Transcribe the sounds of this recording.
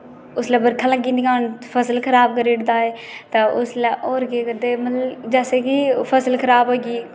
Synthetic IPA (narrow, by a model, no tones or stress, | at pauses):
ʊsləbəɾkʰələ̃ɡiːnɪkaːnpʰəsəlkʰəɾaːbkəɾiːɽd̪aːeːt̪ɐʔʊslaʔoːɾkekəɾd̪eməld͡ʒɛːseːkipʰəsəlkʰəɾaːbɦoːɡiː